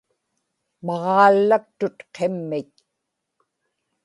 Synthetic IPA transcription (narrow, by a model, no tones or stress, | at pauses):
mɑʁɑːlːak̚t̪ʊt̪qʰemːɪt̪